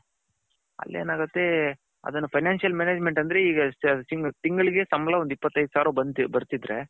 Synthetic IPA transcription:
ɐ̰lːe̞̰ːnaːɡɐt̪ːe̞ | ɐ̰d̪ɐnːɐpʰɐjnaːnʂijɐlmeːneːd͡ʒmeɳʈɐnd̪ɐɾeiːɡɐiɡt̪iŋɡɐɭiɡe̞sɐmɐlɐond̪ipːɐt̪ːɐjd̪saːɾubɐnbɐɾt̪id̪ɾe̞̰

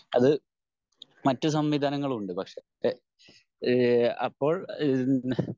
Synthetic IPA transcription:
ɐðɨ | mɐtːus̬ɐmʋid̪ʱaːnɐŋːɐɭuɳɖɨpɐkʂe̞ | ɐ̰pːo̞ːɭ

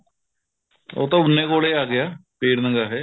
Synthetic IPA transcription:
o̰ːt̪ːaunːekoːɭeaːɡɪjapeːɽnɐŋɡaːɦe

